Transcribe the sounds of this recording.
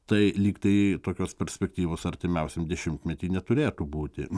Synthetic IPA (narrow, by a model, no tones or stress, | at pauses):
t̪ɐɪlʲiːkt̪ɐɪt̪oːkʲoːspʲɛɾʲsʲpʲɛkt̪ʲiːʋoːsɐrʲt̪ʲɪmʲɛʊsʲemd̪ʲɛʃʲɪmt̪mʲɛt̪ʲiːnʲɛt̪ʊɾʲeːt̪uːbuːt̪ʲɪ̰